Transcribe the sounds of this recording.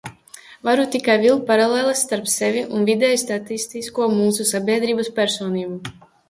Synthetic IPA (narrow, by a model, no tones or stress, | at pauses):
vaɾut̪ikajvilˠt̪̚paɾalɛːlˠɛsːt̪aɾpsɛviʔunvid̪ɛjst̪at̪ist̪iskuɔmuːsusabʲiɛd̪ɾiːbaspʲɛɾsɔːniːbu